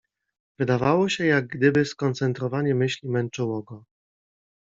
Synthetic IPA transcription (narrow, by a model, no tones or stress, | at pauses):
vɘd̪avawɔɕɛjaɡ̚ɡd̪ɘbɘskɔnt̪sɛnt̪ɾɔvaɲɛmɘɕlʲimɛnt͡ʂɘwɔɡɔ